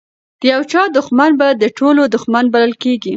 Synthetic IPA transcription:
d̪̥əjawt͡ʃɑd̪ʊxmanbad̪əʈʰolod̪ʊxmanbaləlkeɡi

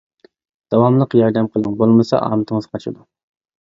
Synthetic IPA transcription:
d̪̥ɑwɑmlˠəqjɑɾd̪ɛmqʰəlˠəŋbolˠmɨsɑ̰ʔɑ̰ːmɪt̪ʰəŋəzqʰɑt͡ʃʰɨ̰d̪u

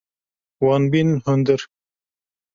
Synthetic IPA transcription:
wɑːnbinhʊnd̪əɾ

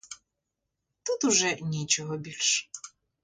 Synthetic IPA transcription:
t̪ut̪ʊʒɛnʲit͡ʃɔɦɔbʲilʲʃ

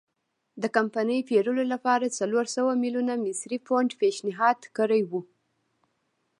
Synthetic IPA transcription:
d̪əkampanəjpeɾəlolapɑɾat͡saloɾsawamilunamɪsɾifoɳɖpeʃnɪɦɑd̪kəɾajwu

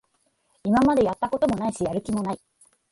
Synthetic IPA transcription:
imamad̪e̞jat̪ːako̞t̪o̞mo̞naiɕijaɾɯ̟kʲimo̞nai

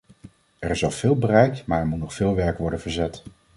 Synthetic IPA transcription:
ɛɹɪzɑlˠv̥ɪːlˠbərɛjkmaːɹɛɹmutnɔχfɪːlˠʋɛɹkʋɔɹdənvəɹzɛt

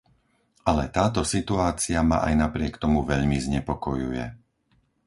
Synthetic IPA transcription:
ʔalɛt̪aːt̪ɔsit̪uaːt͡siama̰ʔajnapɾɪɛkt̪ɔmuʋɛʎmizɲɛpɔkɔjṵjɛ̰

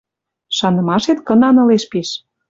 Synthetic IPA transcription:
ʃɑnɤ̆mɑʃet̪kɤ̆nɑnɤ̆leʃpiʃ

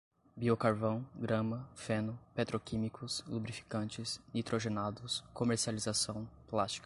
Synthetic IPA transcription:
biokaɾvɐ̃w̃ɡɾɐ̃mɐfẽnʊpet̪ɾokĩmikʰʊslubɾifi̥kɐ̃nt͡ʃɪsnit̪ɾoʒenad̪ʊskomeɾsializasɐ̃w̃plast͡ʃi̥kɐ̥

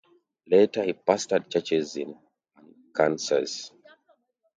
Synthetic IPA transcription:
letəhipastəd̚t͡ʃɛt͡ʃɛzĩn | ãn | kʰãnsə̰s

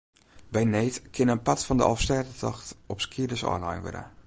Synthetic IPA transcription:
bɛjnejtkʰɪnənpatfɔndəʔɔ̰lˠfstɛːtətʰɔxtɔpskʰiədəsɔ̰ːnla̰jnʋɪ̰də̰

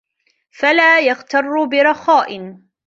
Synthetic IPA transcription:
falaːjaɣt̪ɑrˤːbɪɾˤɑxaːʔɪn

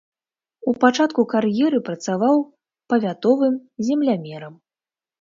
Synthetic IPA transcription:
upat͡ʂat̪kukarjɛɾɨpɾɐt̪savaw | pɐvʲat̪ɔvɨmzʲɛmlʲamʲɛɾɐm

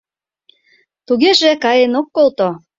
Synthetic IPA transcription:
t̪uɣeʒĕkɑjenokːolt̪o

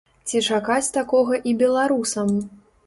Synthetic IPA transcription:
t͡sʲit͡ʂakat͡sʲt̪akɔɣɐʔibʲɛlˠaɾusɐm

